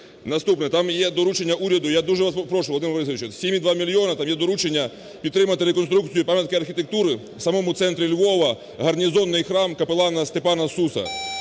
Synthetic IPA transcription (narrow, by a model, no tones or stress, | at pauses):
nɐst̪upnɛt̪ɑmjɛd̪ɔɾut͡ʃenʲːɐʔuɾʲɐd̪ʊjad̪uʒɛʋɐspɾɔʃʊʋlˠd̪ɪmʋɾɪsʋʲit͡ʃɛsʲimʲid̪ʋɑmʲilʲjɔnɐt̪ɑmjɛd̪ɔɾut͡ʃenʲːɐ | pʲid̪t̪ɾɪmɐt̪ɪɾekɔnst̪ɾuk̚t͡sʲijʊpɑmʲjɐt̪kɪɐrxʲit̪ek̚t̪uɾɪ | sɐmɔmʊt̪sɛnt̪ɾʲilʲʋɔʋɐ | ɦɐrnʲizɔnːɪjxɾɑmkɐpelˠɑnɐst̪epɑnɐsusɐ̰